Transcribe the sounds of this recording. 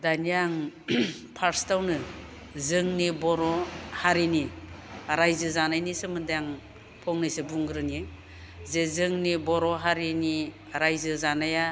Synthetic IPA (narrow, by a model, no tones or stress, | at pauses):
daniaŋ | pʰaɾstawnɯ | zɯŋnibɔɾɔhaɾini | ɾajzɯzanajnisɯmɯdajaŋ | pʰɔŋnɯjsɯbuŋɡɯɾɯni | zezɯŋnibɔɾɔɦaɾini | ɾajzɯzanaja